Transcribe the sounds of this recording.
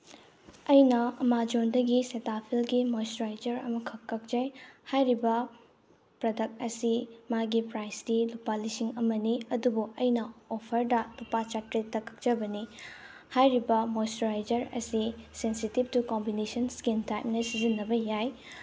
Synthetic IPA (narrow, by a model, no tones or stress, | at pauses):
ɐjnɐɐmad͡ʒondɐɡisetapʰilɡimojstɾajd͡ʒɐɾɐ̰mɐkʰɐkːɐk̚d͡ʒɐjhajɾibɐ | pɾodɐk̚t̚ɐsimaɡipɾajsdilupalisiŋɐmɐniɐdubuɐjnɐopʰɐɾdɐlupat͡ʃak̚tɾetːɐkʰɐ̥k̚d͡ʒɐbɐni | hajɾibɐmojstɾajd͡ʒɐɾɐ̰sisensitib̚tukombinesɐnskintajmnɐsizinːɐbɐjaj